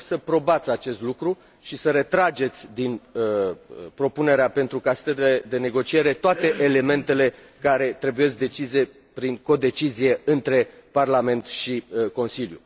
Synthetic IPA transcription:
səpɾo̞bat̪sʲat͡ʃe̞st̪lukɾu | ʃisəɾe̞t̪ɾad͡ʒe̞t̪sʲd̪in | pɾo̞pune̞ɾeape̞nt̪ɾukase̥t̪ət̪ile̞d̪e̞ne̞ɡo̞t͡ʃie̞ɾe̞t̪oat̪e̞ʔele̞me̞nt̪e̞le̞ | kaɾe̞t̪ɾe̞buje̞s̬k̚d̪e̞t͡ʃize̞ | pɾiŋko̞d̪e̞t͡ʃizije̞ɨnt̪ɾe̞parlame̞nt̪ʃiko̞nsiljṵ

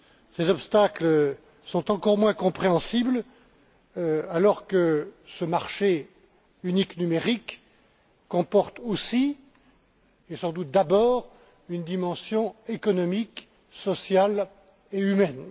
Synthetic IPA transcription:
sezɔpst̪akl | sɔ̃t̪ɑ̃kɔʁmwɛ̃kɔ̃pχeɑ̃sibl | alɔʁkəsəmaʁʃe | yniknymeʁikː | ɔ̃pɔʁt̪osi | esɑ̃d̪ut̪̚d̪abɔːʁ | ynd̪imɑ̃sjɔ̃ekɔnɔmik | sɔsjal | eymɛn

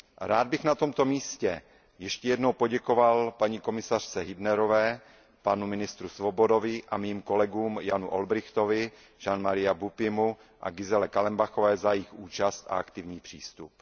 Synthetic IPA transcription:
ɾaːd̪̚bɪxnat̪o̞mt̪o̞miːscɛ | jɛʃcɛjɛdnowpo̞ɟɛko̞valpaɲiːko̞mɪsar̝̥t͡sɛɦɪbnɛɾo̞vɛː | panumɪnɪst̪ɾusvobo̞do̞vɪʔamiːmko̞lɛɡuːmjanuʔolbɾɪxt̪o̞vɪ | ʒ̥anmaɾɪjabupɪmu | ʔa̰ɡɪzɛlɛkalɛmbaxovɛːzajɪxuːt͡ʃast̪a̰akt̪ɪvɲiːpr̝̥ḭːst̪up

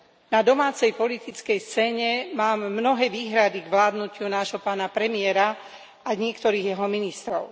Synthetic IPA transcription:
nad̪ɔmaːt͡sɛjpɔlit̪it͡skɛjst͡sɛːɲɛmaːmːnɔɦɛːʋiːɦɾad̪iɡʋlaːd̪nucɪunaːʒɦɔpaːnapɾɛmɪɛɾa | aɲɪɛkt̪ɔɾiːɣjɛɦɔminist̪ɾɔʊ

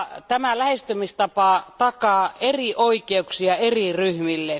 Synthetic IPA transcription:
t̪æmælæhest̪ymist̪ɑpɑˑt̪ɑkɑːeriʔoikeuksiɑeriryhmilːe

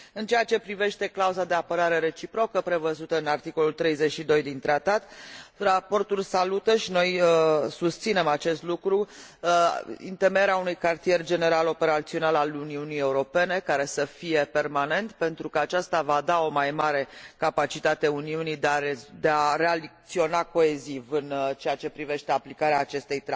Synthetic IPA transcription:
ɨnt͡ʃeat͡ʃe̞pɾive̞ʃt̪e̞klauzad̪e̞apəɾaɾe̞ɾe̞t͡ʃipɾo̞kəpɾe̞vəzut̪əɨnart̪iko̞lult̪ɾe̞jze̞t͡ʃʃid̪o̞jd̪int̪ɾat̪at̪rapo̞rt̪ulʲsalut̪əʃino̞jəsust̪sine̞mat͡ʃe̞st̪lukɾu | ḭnt̪emeɾeaunujkart̪ie̞rd͡ʒe̞ne̞ɾalo̞pe̞ɾat̪sio̞nalaluniunije̞uɾo̞pe̞ne̞kaɾe̞səfije̞pe̞rmane̞nt̪pe̞nt̪ɾukəat͡ʃast̪avad̪ao̞majmaɾe̞kapat͡ʃit̪at̪e̞uniunijd̪eaed̪eaɾe̞alik̚t̪sio̞nako̞e̞zivɨnt͡ʃe̞at͡ʃe̞pɾive̞ʃt̪eaplikaɾeaːt͡ʃe̞st̪ejt̪ɾ

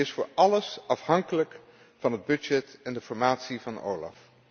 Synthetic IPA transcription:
ɪsfʊːɹɑləsɑfɦɑŋkələk | fɑnəd̚bɵd͡ʒɛtɛndəfɔɹmaːtsivɑno̰wlɑ̰f

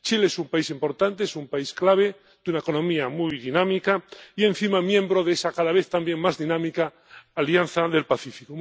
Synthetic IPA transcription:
t͡ʃileesumpaisimpo̞ɾt̪ant̪eesumpaisklaβ̞e̞ | d̪̥unaeko̞nõ̞miamujðinãmikaiẽ̞nθimamjẽ̞mbɾoðesakaðaβ̞e̞θt̪ambje̞ŋmazðinãmikaː | ljanθaðe̞lpaθifiko

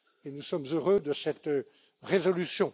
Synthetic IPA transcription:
enusɔmzøʁød̪əsɛt̪ | ʁezɔlysjɔ̃

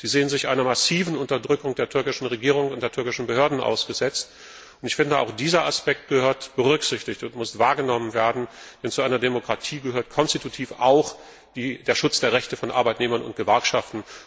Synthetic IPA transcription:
z̥iːzeːənzɪçʔa̰ɪnɐmasiːvn̩ʊntɐdʁʏkʊŋd̥eːɐtʰʏɐkɪʃn̩ʁeɡiːʁ̞ʊŋʊnt̚d̥eːɐtʰʏɐkɪʃn̩bəhøːɐdn̩ʔa̰ʊsɡ̥əzɛt͡st | ʊntɪçfɪndəʔa̰ʊxd̥iːzɐaspɛk̚t̚ɡ̥əhøːɐtb̥əʁʏkz̥ɪçtɪçtʊntmʊstv̥aːɐɡənɔmənveːɐdn̩d̥ɛnt͡suʔaɪnɐdemokʁ̥atʰiːɡəhøːɐtkʰɔnstitutʰiːfaʊx | d̥iːdeːɐʃʊt͡sd̥eːɐʁɛçtəfɔnʔa̰ɐbaɪtneːmɐnʊ̰nt̚ɡ̥əvɛɐkʃaftn̩

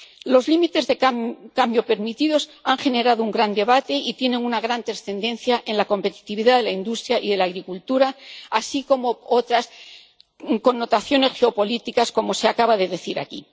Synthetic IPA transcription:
lo̞zlimit̪e̞zðekambjo̞pe̞ɾmit̪iðo̞saŋxe̞ne̞ɾaðouŋɡɾand̪e̞βat̪e̞it̪je̞ne̞ŋunaɣ̞ɾant̪ɾasθe̞nd̪ẽ̞n̟θjaʔe̞nlako̞mpe̞t̪i̥t̪iβiðaðe̞laind̪ust̪ɾjaʔiðe̞laːɣ̞ɾikult̪uɾaasiko̞mo̞o̞t̪ɾas | ko̞nːo̞t̪aθjo̞ne̞sxe̞o̞po̞lit̪ikasko̞mo̞se̞akaβaðe̞ðe̞θiɾa̰kḭ

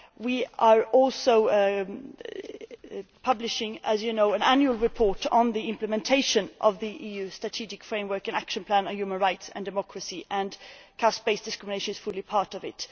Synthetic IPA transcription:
wiəɹɔlˠsoʊ | pʰʌblɪʃɪ̃ŋɨzjɨnoʊə̃næ̃njʉəl̩ˠɹɨpʰɔɹɾn̩ðiɪ̃mpləmɛ̃ntʰeɪʃɨ̃nʔʌvðiʔijʉːstɹ̥ətʰid͡ʒɪkfɹẽɪ̃mwɜ˞kɨ̃nækʃə̃npʰl̥æ̃nə̃njʉmə̃nɹaɪtsə̰̃ndɨmɔkʰɹəsiʔə̃nkʰasb̥eɪsd̥ɨskɹɪmɪneɪʃənɨz̥fʊlˠipʰɑɹɾʌvɪ̰t

